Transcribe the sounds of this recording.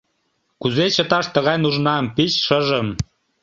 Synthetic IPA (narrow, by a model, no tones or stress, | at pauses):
kuzet͡ɕə̆t̪ɑʃt̪əɣɑjnuʒnɑmpit͡ɕʃəʒəm